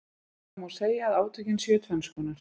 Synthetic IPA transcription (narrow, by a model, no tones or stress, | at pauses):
maseːjaːðaːwt̪ʰœcɪnsjœːt̪vɛnskɔːnaɾ̥